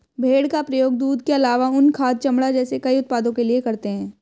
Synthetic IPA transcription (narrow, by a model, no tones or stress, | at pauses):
bʱeːɽkapɾɐjoːɡ̚d̪uːd̪keɐlaːʋaʊnkʰaːd̪̚t͡ʃɐmɽad͡ʒɛːsekɐiʊt̪̚paːd̪õkeliekɐɾt̪eɦɛ̃ː